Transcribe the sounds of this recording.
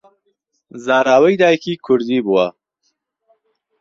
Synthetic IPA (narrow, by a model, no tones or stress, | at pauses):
zaːɾaːwəjd̪aːjkikʰʊɾzibuwa